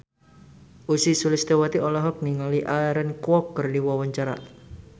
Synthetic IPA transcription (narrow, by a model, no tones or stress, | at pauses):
ʔusisulɪst̪ewat̪iɔlɔɦɔk̚niŋaliʔaɛɾənkwɔkːərdiwɔwaɲt͡ʃaɾa̰ʔ